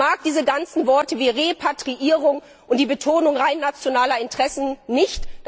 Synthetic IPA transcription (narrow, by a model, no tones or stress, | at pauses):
aːk̚d̥iːzəɡant͡sn̩vɔɐtəviːʁepʰatʁ̥iʔiːʁʊŋ | ʔʊntd̥iːbətʰoːnʊŋʁaɪnːat͡sjonaːlɐɪntʁ̥ɛsn̩nɪçt